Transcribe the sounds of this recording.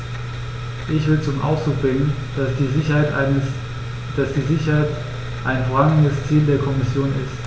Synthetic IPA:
ʔɪçv̥ɪlt͡sʊmʔa̰ʊfsd̥ʁuːk̚b̥ʁɪŋən | sizɪçɐhaɪt | d̥asd̥iːzɪçɐhaɪt | ʔaɪnfoːɐʁaŋn̩dəst͡siːldeːɐkʰɔmɪsjoːnɪ̰st

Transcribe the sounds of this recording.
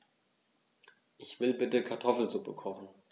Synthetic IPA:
ʔɪçv̥ɪlbɪtəkʰaɐtʰɔfl̩nzubəkʰɔχn̩

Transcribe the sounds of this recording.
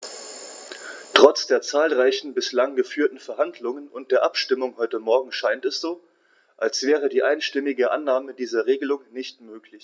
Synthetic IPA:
tʁ̥ɔt͡sd̥eːɐt͡saːlʁaɪçn̩bɪslaŋɡəfyːɐtn̩fɛɐɦandlʊŋənʊnt̚d̥eːɐʔapʃtɪmʊŋɦɔʏtəmɔɐɡŋ̩ʃaɪntɛsz̥oː | ʔalsv̥ɛːʁədiːʔaɪnʃtɪmɪɡəʔa̰nːaːmədiːzɐʁeːɡəlʊŋnɪçtmøːklɪç

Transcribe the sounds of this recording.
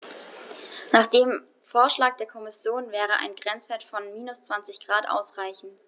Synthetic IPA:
naːχd̥eːm | foːɐʃlaːk̚d̥eːɐkʰɔmɪsjoːnvɛːʁ̞əʔa̰ɪnɡʁɛnt͡sv̥eːɐtfɔnmiːnʊst͡sv̥ant͡sɪçɡ̥ʁaːtʔa̰ʊsʁ̥aɪçn̩t

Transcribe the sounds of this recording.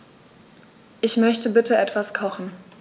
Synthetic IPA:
ʔɪçmœçtəbɪtəʔɛtv̥askʰɔχn̩

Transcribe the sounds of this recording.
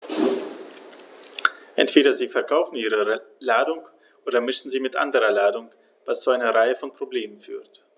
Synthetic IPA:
ʔɛ̰ntv̥eːɾɐziːfɛɐkʰaʊfn̩iːʁəlaːdʊŋ | ʔoːdɐmɪʃn̩ziːmɪtʔa̰ndəʁɐlaːdʊŋ | v̥ast͡suaɪnɐʁaɪəfɔnpʁ̥obleːmənfy̰ːɐt

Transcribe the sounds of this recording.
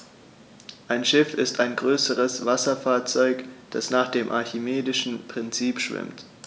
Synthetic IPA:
ʔaɪnʃɪfɪstaɪnɡʁøːsəʁəsv̥asɐfaːɐt͡sɔʏkd̥a̰snaːχd̥eːmʔa̰ɐçɪmeːdɪʃn̩pʁ̥ɪnt͡siːpʃv̥ɪ̰mt

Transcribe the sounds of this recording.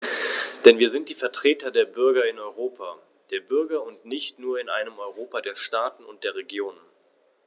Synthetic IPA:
d̥ɛnviːɐzɪnt̚d̥iːfɛɐtʁ̥eːtɐdeːɐbʏɐɡɐɪnɔʏʁ̞oːpʰa | d̥eːɐbʏɐɡɐʊntnɪçtnuːɐɪnʔa̰ɪnəmɔʏʁ̞oːpadeːɐʃtaːtn̩ʊ̰nt̚d̥eːɐʁ̞eɡjoːnən

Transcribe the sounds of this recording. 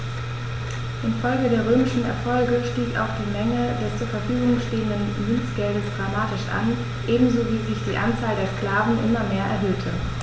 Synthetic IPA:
ʔɪnfɔlɡədeːɐʁ̞øːmɪʃn̩ɛ̰ɐfɔlɡəʃtiːka̰ʊxd̥iːmɛŋədɛst͡suːɐfɛɐfyːɡʊŋʃteːəndən | mʏnt͡sɡ̥ɛldəsd̥ʁamaːtɪʃʔa̰n | ʔeːbm̩zoːviːzɪçd̥iːʔant͡saːldeːɐskl̥aːvn̩ʔɪmɐmeːɐʔɛɐɦøːtʰə

